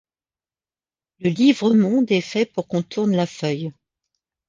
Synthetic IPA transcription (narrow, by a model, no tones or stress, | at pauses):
ləlivʁəmɔ̃d̪ɛfɛpuʁkɔ̃t̪ʰuʁnlafœj